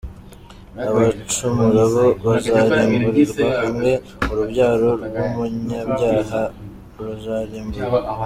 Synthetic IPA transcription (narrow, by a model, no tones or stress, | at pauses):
aβat͡ʃumuɾaβo̞βazaɾiːmbuɾiɾuakumɡe̞ | muɾubɟaːɾo̞ɾwumuɲabjaːɦa | βazaɾiːmbuɾa